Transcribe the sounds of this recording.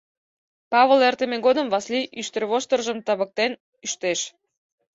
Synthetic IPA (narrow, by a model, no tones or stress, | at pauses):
pɑβəlert̪əmeɣod̪əmvɑsliʔyʃt̪ərβoʃt̪ərʒəmt̪ɑβək̚t̪en | yʃt̪eʃ